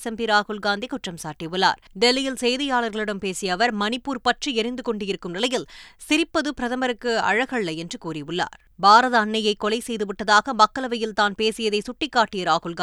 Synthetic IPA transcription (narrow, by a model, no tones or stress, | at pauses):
sɐmbiɾaːɣɯlɡaːnd̪ikʊʈrɐmsaːʈːiʋɯɭːa̰ːɾɖɛlːɪjɪlsɛjðɐjaːɭɐɾɣɐɭɪɽɐmpeːsɪjɐʋɐɾmɐnɪpːuːɾpɐʈriɛɾɪnd̪ɯkɔɳɖɪjɪɾɯkːɯmnɪlɐjɪlsɪɾɪpːɐðɯpɪɾɐðɐmbɐɾɯkːɯɐ̰ɻɐɣɐɭːɐjɛndrɯkuːɾɪʋɯɭːa̰ːɾ | baːɾɐðɐːnːɐjɐɪkːɔlɐɪsɛjðɯʋɪʈːɐðaːɣɐmɐkːɐɭɐʋɐjɪlt̪aːnpeːsɪjɐðɐɪsʊʈːɪkːaːʈːɪjɐɾaːɣɯlɡa